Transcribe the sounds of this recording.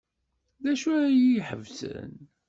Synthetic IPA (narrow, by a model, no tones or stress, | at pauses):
ðæʃujiħə̰vsə̰n